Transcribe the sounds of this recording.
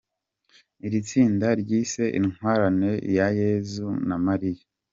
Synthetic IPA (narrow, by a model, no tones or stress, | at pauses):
iɾit͡siːndaɾɟiːse̞ʔiŋ̥waːɾane̞jajeːzunamaɾija